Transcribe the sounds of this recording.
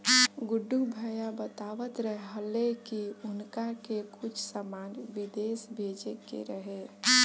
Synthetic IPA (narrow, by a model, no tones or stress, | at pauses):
ɡʊɖːubʱəjabət̪aʋət̪ɾəɦɦəlekiʊnkakekʊt͡ʃʰsəmanbid̪esbʱed͡ʒekḛɾəɦe